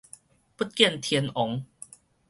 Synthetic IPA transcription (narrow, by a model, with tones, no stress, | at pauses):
pu˦˥t̚kji˥˧˨nt̪ʰiɛ˧nʔɔ˨˦ŋ